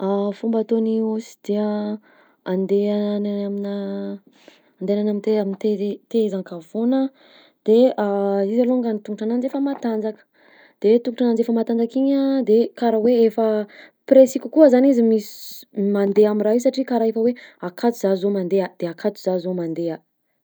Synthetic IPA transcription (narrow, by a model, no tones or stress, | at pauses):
afumbat̪oniusi̥d̪̥eə | and̪eaananamina | and̪enanamint̪eaminit̪et̪eezaŋkavonə | d̪̥eaizaloaŋɡanit̪uŋɡuʈ͡ʂanand͡zefəmat̪and͡zakə̥ | d̪̥et̪uŋkuʈ͡ʂanand͡zefəmat̪and͡zakiɲəd̪ekaɾaweefə | pɾesikʲukuəzanizimisi̥mand̪eamiraɦisaʈ͡ʂikaɾaefəweakʰat̪uzazomand̪ead̪̥eakʰat̪u̥z̥azomand̪ea